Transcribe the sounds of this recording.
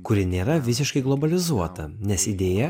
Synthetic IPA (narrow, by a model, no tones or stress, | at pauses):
kʊɾʲɪnʲeːɾɐʋʲɪsʲɪʃkɐɪɡlˠobɐlʲɪzuɔt̪ɐnʲɛsɪd̪ʲeːjɛ